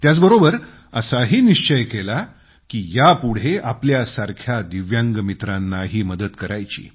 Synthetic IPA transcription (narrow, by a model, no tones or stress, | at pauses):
t̪jat͡sbəɾobəɾ | ə̰saɦiːniɕt͡ɕəjkela | kiːjapuɽ̤eapljasaɾkʰjad̪iʋjãŋɡmit̪ɾanːaɦiːməd̪ət̪kəɾajt͡ɕḭː